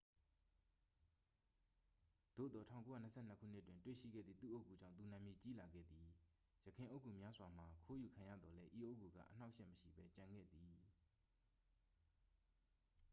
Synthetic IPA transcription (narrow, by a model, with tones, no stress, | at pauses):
d̪̥o̰˦˨d̪ɔ˨tʰã̰˦˨ko˦ja˦˨nə˨sʰɛ̰˦˨n̥ə˦kʰṵ˦˨n̥ɪ˦ʔtwɪ̃˨ntwḛ˦˨ʃḭ˦˨ɡɛ̰˦˨d̪ðḭ˦˨t̪ṵ˦˨ʔo˦ʊkːu˨d͡ʑã̰˦˨nt̪u˨nã˨mji˨t͡ɕi˦la˨ɡɛ̰˦˨d̪i˨ | jə˨kʰɪ̃˨ʔo˦kʰːu˨mja˦zwa˨m̥a˨kʰo˦ju˨kʰã˨jä̰˦˨d̪ɔ˨lɛ˦ʔi˨ʔo˦ʊʔkːu˨ɡa̰˦˨ʔən̥a˦ʊʔʃɛ˦ʔməʃḭ˦˨bɛ˦t͡ɕã˨ŋɡɛ̰˦˨d̪i˨